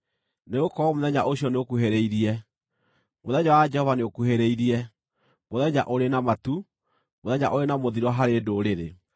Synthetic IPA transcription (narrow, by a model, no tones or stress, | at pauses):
neɣokɔɔmoðɛɲaʔoɕiɔneokuɦeɾeiɾiɛ | moðɛɲawad͡ʒɛhɔvaneokuheɾeiɾiɛ | moðɛɲaʔoɾenamatu | moðɛɲaʔoɾenamoðiɾɔɦaɾedoːɾeɾe